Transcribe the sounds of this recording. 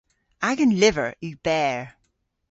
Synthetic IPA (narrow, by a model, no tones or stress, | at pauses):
aɡə̃nlɪvə̰ɹib̥ɛːɹ